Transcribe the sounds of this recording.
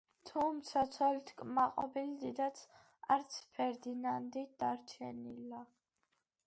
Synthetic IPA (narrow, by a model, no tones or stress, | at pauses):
t̪ʰumt̪sʰat̪sʰɔlit̪ʰkʼmaqʼɔ̰bilid̪id̪at̪sʰ | aɾt̪sʰpʰɛɾd̪inand̪id̪̥aɾt͡ʃʰɛnila